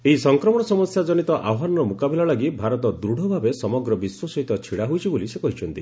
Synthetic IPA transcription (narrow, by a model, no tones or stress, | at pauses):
eɦisɔŋkɾɔmɔɽ̃ɔsɔmɔsjad͡ʒɔnit̪ɔʔaɦanɔɾɔmukabelalaɡibʱaɾɔt̪ɔd̪ɾuɽ̤ʱɔbʱabesɔmɔɡɾɔbiswɔsɔɦit̪ɔt͡ʃʰiɽaɦujt͡ʃʰibolisekɔɦit͡ʃʰɔnt̪i